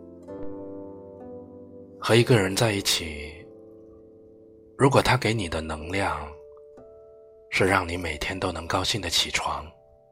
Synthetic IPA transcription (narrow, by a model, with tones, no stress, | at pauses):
xɤ˧˥i˧˥ɡə˧ɻə˧˥nt͡sa˥˧ɪi˥˩t͡ɕʰi˨˩ | ɻu˧˥k̬wɔ˨˩t̪ʰa˥ke˧˥ɪni˨˩d̪ə˦nɤ˧˥ŋljɑ˥˩ŋ | ʂɻ̩˥˧ɻɑ˥˩ŋni˧˥me˨˩ɪt̪ʰjɛ˥nt̪o˥ʊnɤ˧˥ŋkɑ˥ʊɕi˥˩ŋd̪ə˩t͡ɕʰi˨˩ʈ͡ʂʰwɑ̰˧˥ŋ